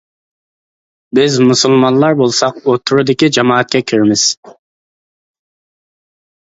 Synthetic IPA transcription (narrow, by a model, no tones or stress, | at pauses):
bɪzmusulˠmɑnlˠɑɾbolˠsɑqot̪ʰːuɾʊd̪ɪkʲid͡ʒɑmɑːɛt̪̚kʲɛkʲʰiɾɪmɪz̥